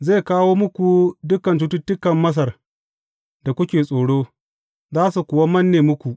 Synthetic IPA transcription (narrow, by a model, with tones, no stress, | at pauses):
zeː˦˨kaː˦woː˦mʊ˦kʷu˨dʊ˦kɐ˨nt̬u˦tʊ˦tːʊ˦kɐ˨mːɐ˦s̬ɐ˨r | da˨kʷʊ˦kʲeː˨sʼoː˨ɽoː˦ | zaː˦su˨kʷʊ˨wa˦mɐ˦nːeː˨mʊ˦kʷu˨ʔ